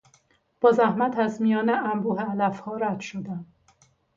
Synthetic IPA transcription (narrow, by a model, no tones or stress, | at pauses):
b̥ɒːzæhmæt̪ʰæzmijɒːneʔæmbuːɦeælæfhɒːɾæd̪̥ʃod̪æm